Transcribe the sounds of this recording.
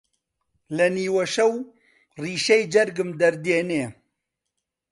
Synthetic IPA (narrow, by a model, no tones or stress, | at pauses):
lɐniːwɐʃɐw | riːʃɛjd͡ʒɐɾɡɨmd̪ɐɾd̪eːneː